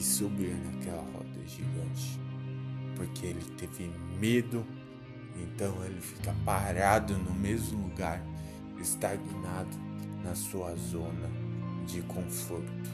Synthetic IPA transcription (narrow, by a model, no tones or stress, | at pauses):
ɪsobiɾnakɛlɐ̰hɔ̰d̪ɐ̰ʒiɡɐ̃t͡ʃɪ̥ | poɾkʰeelɪt̪evɪmed̪ʊ | ẽnt̪ɐ̃w̃elɪfi̥kɐpaɾad̪ʊnʊmezmʊluɡaɾ | ɪst̪aɡinad̪ʊnɐsuɐzõnɐd͡ʒɪkʰõfoɾt̪ʊ̥